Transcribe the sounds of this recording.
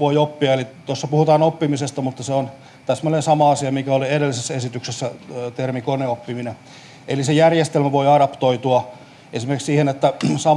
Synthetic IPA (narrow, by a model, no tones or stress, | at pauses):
ʋoiopːiɑelit̪osːɑpuhut̪ɑːnopːimisest̪ɑmut̪ːɑseon | t̪ɑsemːonensɑmɑɑsiɑmikæolieɾelːisesːesit̪yksesːæt̪ermikoneopːimine | elisejærjest̪elmæʋoiɑɾɑpt̪oit̪uɑ | ʔesimeriksiːhenet̪ːæsɑ